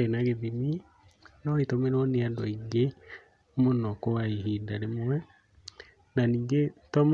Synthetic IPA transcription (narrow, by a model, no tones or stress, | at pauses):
enaɣeðimi | nɔitɔmeɾoneadɔiɡe | monɔkoaiɦiːdaɾemwwɛ | naniːŋɡetɔm